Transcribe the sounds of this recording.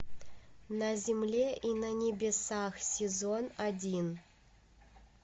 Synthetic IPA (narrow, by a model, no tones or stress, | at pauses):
nazʲimlʲeʔinanʲebʲesaxsʲezonadʲin